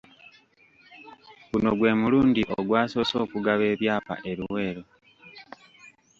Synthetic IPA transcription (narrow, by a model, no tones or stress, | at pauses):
kuno̞ɡwe̞ːmuluːndiʔoɡwaːso̞ːso̞ːkuɡaβe̞ːβjaːpa̰ʔe̞ɾuwe̞ːɾo̞